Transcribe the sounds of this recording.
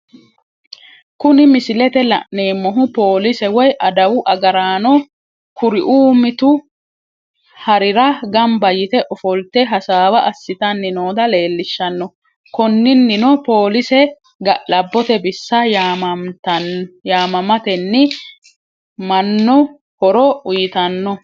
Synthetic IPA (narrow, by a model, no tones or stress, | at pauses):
kʊnɪmɪsɪlɛt̪ɛlɐ̰ʔne̞ːmːɔɦʊpo̞ːlɪsɛwɔjʔɐd̪ɐwʊʔɐɡɐɾaːnɔ | kʊɾɪʔuːmɪt̪ʊ | hɐɾɪɾɐɡɐmbɐjɪt̪ɛʔɔfɔlt̪ɛɦɐsaːwɐʔɐsːɪt̪ɐnːɪnoːd̪ɐle̞ːlːɪʃːɐnːɔ | kɔnːɪnːɪnɔpo̞ːlɪsɛ | ɡɐʔlɐbːɔt̪ɛbɪsːɐ | t̪ɐjaːmɐmɐt̪ɛnːɪ | mɐnːɔ | hɔɾɔʊjɪt̪ɐnːɔ